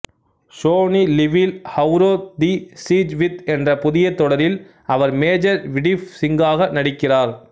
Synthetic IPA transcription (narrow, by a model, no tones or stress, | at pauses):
soːnilɪʋɪlhɐʊɾoːd̪isiːd͡ʒʋɪt̪ɛndrɐpʊðɪjɐt̪ːɔɽɐɾɪl | ɐʋɐɾmeːd͡ʒɐɾʋɪɽɪfsɪŋɡaːɣɐnɐɽɪkːɪraːɾ